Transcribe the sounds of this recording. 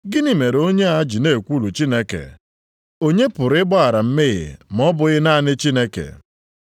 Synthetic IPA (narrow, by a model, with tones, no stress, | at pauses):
ɡɪ˦ni˨me˨ɾo˦ɲe˦a˦d͡ʒi˨ne˦˨kʷu˦lu˨t͡ʃi˦ne˦kḛ˨ | o˦ɲe˦pʊ˨ɾɪ˦bɔ˦a˨ɾa˨m̩˦mɪ˦ɣɪ̰˨m̩˨ɔ˦bʊ˨ɣɪ˦na˦˨nɪ˦t͡ʃi˦ne˦kḛ˨